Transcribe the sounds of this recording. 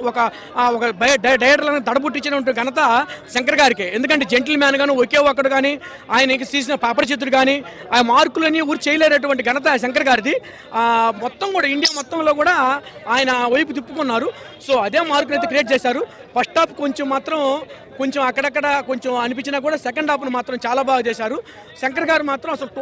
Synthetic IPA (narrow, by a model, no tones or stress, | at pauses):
ɔkɐ | ɔkɐbɐjɖɐɖɐjɐʈɐɾlɐnːd̪ɐɽɐbuʈːit͡ʃːɐnɐɐʈunɡɐnɐt̪̬ɐʃɐŋkɐɾɐɡaːɾikeːend̪uk̬ɐɳʈ̬eːd͡ʒeɳʈ̬ɐlmaːnɡaːnuokeːʋɐk̬ːɐɽukaːni | aːjɐnɐiŋkɐsiːs̬inɐpaːpɐɾɐʃet̪ːuɽukaːni | aːjɐɐmaːɾkulɐniuːɾut͡ʃɛjɐleːnɐʈ̬uʋɐɳʈiɡɐnɐt̪̬ɐʃɐŋkɐɾɐɡaːɾid̪i | mɔt̪ːɐmkuːɽaːiɳɖijaːmɔt̪ːɐmlo̞ːkuːɽaːaːjɐnɐʋɐjp̬ut̪̬ipːukunːaːɾu | so̞ːɐd̪eːmaːɾk̬unɐjt̪ekɾijeːʈ̚t͡ʃɛːsaːɾu | pɐʂʈaːpuko̞ɲt͡ʃemːaːt̪ɾɐm | ko̞ɲt͡ʃemɐkːɐɽɐkːɐɽɐko̞ɲt͡ʃemɐnip̬iɲt͡ʃːinaːk̬uːɽaːsɛkɐɳɖaːp̬unumaːt̪ɾɐmt͡ʃaːlaːbaːɡɐt͡ʃ̪ɛːʃaːɾu | ʃɐŋkɐɾɐɡaːɾimaːt̪ɾɐmɐsɐlu